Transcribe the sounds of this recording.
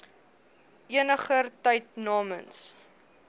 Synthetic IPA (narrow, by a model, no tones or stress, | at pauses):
iənəχərtəjtnɑːməns